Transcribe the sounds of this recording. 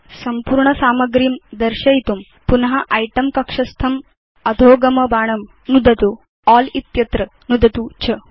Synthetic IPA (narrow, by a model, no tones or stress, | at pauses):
sɐmpuːɾɳɐsaːmɐɡɾimd̪ɐɾʃɐjit̪um | punɐɦɐʔɐjʈɐmkɐkʂɐst̪ʰɐm | ɐd̪ʱoːɡɐmɐbaːɳɐm | nud̪ʱɐt̪u | aːlit̪jɐt̪ɾɐ | nud̪ʱɐt̪ut͡ʃʰɐ